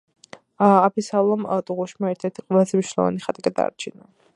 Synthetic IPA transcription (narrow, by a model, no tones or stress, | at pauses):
apʰisalˠɔmt̪ʼuʁuʃmaɛɾt̪ʰɛɾt̪ʰiqʼwɛlˠazɛmniʃnlˠɔ̰va̰niχat̪ʼiɡad̪a̰ɾt͡ʃʰina